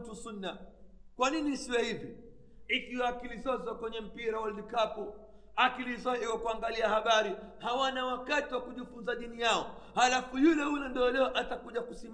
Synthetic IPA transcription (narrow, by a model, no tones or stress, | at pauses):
tusunːakwaninisiwahivi | ikiwakilizɔzwakwɛɲɛm̩piɾawaldikapu | akilizɔiwakuaŋɡaliahaɓaɾihawanawakatiwakuʄifunzaɗinijaɔhalafujulɛhulɛndɔɔlɛɔʔatakuʄakusim